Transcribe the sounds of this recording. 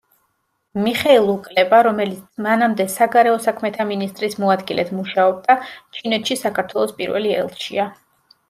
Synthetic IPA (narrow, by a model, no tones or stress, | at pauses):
miχɛilˠukʼlɛbaɾɔmɛlit̪sʰmanamd̪ɛsaɡaɾɛɔsakʰmɛt̪ʰaminist̪ʼɾismɔad̪ɡilɛ̰t̪ʰmuʃaɔb̚d̪at͡ʃʰinɛt̪ʃisakʰaɾt̪ʰwɛlˠɔspʼḭɾvɛ̰liɛ̰lˠt̪ʃḭa